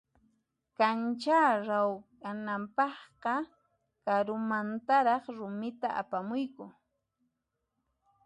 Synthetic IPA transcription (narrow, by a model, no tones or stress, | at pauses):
kant͡ʃaːɾawkanampɑχqɑ | kaɾʊmant̪aɾɑχɾʊmɪt̪aʔa̰pamʊjkʊ